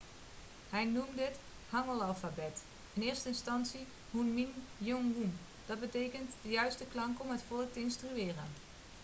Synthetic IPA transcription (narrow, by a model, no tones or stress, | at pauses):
hɛjnumdɪt | hɑŋəlˠɑlˠfabɛt | ɪnɪːɹstəɪnstɑnsi | hunminjoŋʋum | d̥ɑd̚bətejkəntdəjœɥstəklɑŋkɔmətfɔlˠək̚təɪnstryɪːrən